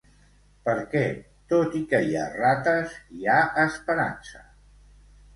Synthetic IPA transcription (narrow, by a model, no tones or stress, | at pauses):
pəɾkɛ | t̪ot̪ikəja̰rat̪əziaəspəɾa̰nsə